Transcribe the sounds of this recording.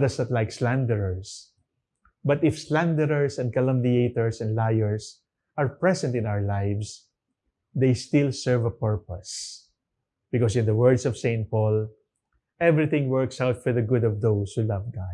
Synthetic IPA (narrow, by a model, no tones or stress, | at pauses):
d̪asnɔt̪lajkslãnd̪ɛɹəɹs | bʌt̪ɪfslæ̃nd̪ɛɾəɹsɛ̃nd̪̚kalʌ̃md̪ieɪt̪ɔɹsɛ̃nd̪lajɛɹs | ʔɐɹpɹɛsɛ̃nt̪ɪ̃nawəɹlajvs | d̪ejst̪ɪlsɛɹvɐpɛɹpɔs | b̥ɪkɔsɪ̃nd̪ɐwɛɹd̪sɔv̥sẽɪnt̪̚pɔl | ʔɛvɹɪθɪ̃ŋwɜɹksawt̪fɔɹd̪ɐɡʊd̪ɔvd̪owshulʌvɡa